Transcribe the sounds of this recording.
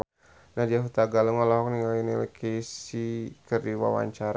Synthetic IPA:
nadiaɦut̪aɡaləŋɔlɔɦɔkniŋalinilɛkʰesikərdiwa̰wa̰ɲt͡ʃaɾ

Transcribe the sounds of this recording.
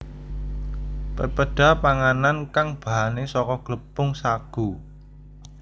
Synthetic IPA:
pəpəɖ̥a̤paŋanankaŋb̥a̤ɦanesɔkɔɡ̥ləpʊŋsaɡ̥u

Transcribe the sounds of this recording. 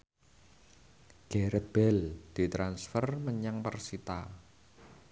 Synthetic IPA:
ɡ̥eɾəb̥ɛld̪̥i̤t̪ɾansfərməɲaŋpərsit̪a

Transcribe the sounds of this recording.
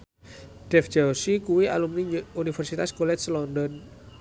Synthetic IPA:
ɖ̥ɛfd͡ʒ̥awsikuwia̰lumniunifɛrsit̪askolɛt̪slɔndɔn

